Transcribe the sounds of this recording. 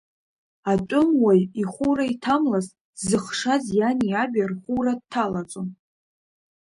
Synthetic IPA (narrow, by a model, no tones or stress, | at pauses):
atʼʊmwajiχʷuraitʰamlaz | zɨχʂazjaniabʲarχʷuɾad̚tʰːalat͡sʼon